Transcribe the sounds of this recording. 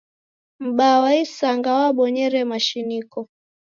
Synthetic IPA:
m̩ɓawaisaŋɡawaɓɔɲɛɾɛmaʃinikɔ

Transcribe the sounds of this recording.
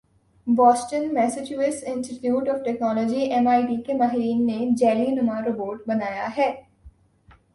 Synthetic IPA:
bɔːsʈənmɛːsɪt͡ʃjuːɪsɪ̃nsʈɪʈjuːʈɔːʋfʈɛknɔːlɔːd͡ʒiʔɛmaːiʈiːkemaːɦɪɾiːnːed͡ʒɛːlinʊmaɾoboːɾʈbɐnaːjaɦɛː

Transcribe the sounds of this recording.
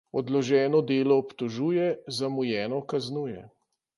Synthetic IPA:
ɔd̪lɔʒɛːnɔd̪eːlɔːpt̪ɔʒuːjɛzamujɛːnɔkaznuːjɛ̰

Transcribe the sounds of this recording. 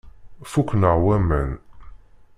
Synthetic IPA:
fukʷːnəʁwæmən

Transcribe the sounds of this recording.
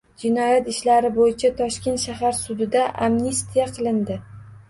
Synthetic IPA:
d͡ʒɪnɒjat̪ɪʃlaɾɪbojɪt͡ʃʰat̪ʰɒʃkʲe̞nt̪ʃaɦaɾsʊd̪ɪd̪aʔamnist̪ʰijaqʰɨlˠɪnd̪ɪ

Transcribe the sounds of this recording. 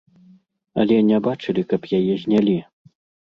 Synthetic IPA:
ɐlʲɛnʲɛbat͡ʂɨlʲikɐpjajɛzʲnʲalʲi

